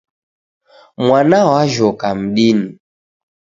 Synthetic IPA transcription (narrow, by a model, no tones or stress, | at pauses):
mwanawaʒɔkam̩ɗini